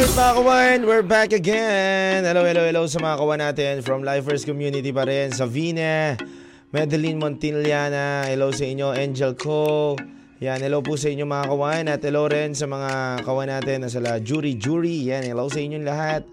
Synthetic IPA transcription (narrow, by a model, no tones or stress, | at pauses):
ot̪mɐakɐwanwɪɹbækɐɡɛnhɛlowhɛlowhɛlowsɐmɐŋakɐwanaːt̪ɛnfɹɐmlajfɛɹskɔmjuːnɪt̪ipɐɾɛnsɐvinɛ | mɛd̪ɛlinmont̪inliaːnɐhɛlowsɐʔɪɲoʔɛnd͡ʒɛlkʰo | janhɛlowpusɐʔɪɲːomɐakɐwanɐt̪̚hɛlowɾɛnsɐmɐŋakɐwanːaːt̪ɛnːɐsɐlad͡ʒuːɾid͡ʒuːɹijanhɛlowsɐʔɪɲːoŋlɐɦat̪̚